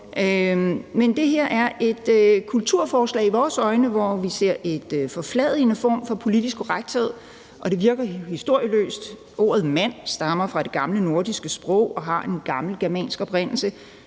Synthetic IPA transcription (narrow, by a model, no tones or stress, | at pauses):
ømend̥e̝ɦeɐ̰ʔæɐʔe̝d̥kʰult͡sʰuɐ̰fɒːslɛ̰ːɪiʋɒːsɒ̽ɪnəʋɒʋise̝ɐ̰ʔe̝d̥fɒ̽flɛð̰ˠinəfɒ̰ːmfɒ̽pʰo̝lid̥isɡ̥ʁad̥seð̞̰ˠ | ʔɒ̽d̥e̝ʋiɐɡ̥ɐhisd̥o̝ɐ̰jəlø̰ːsd̥ | ʔo̝̰ːɐð̞̩ˠmæn̰sd̥ɑ̈mɐfʁɑ̈d̥e̝ɡ̥ɑ̈mləno̝ɐd̥isɡ̥əsb̥ʁɔ̽ʊ̰ɒ̽ɦɑ̈ʔe̝nɡ̥ɑ̈ml̩ɡ̥æɐmɛ̰ːnsɡ̥ɒ̽pʁen̰l̩sə